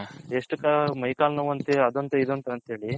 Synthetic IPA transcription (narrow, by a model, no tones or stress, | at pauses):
eʂʈɨkɐmɐjkaːlnɐʋɐnt̪eɐd̪ont̪eid̪unt̪ɐɐnt̪ɦeːɭi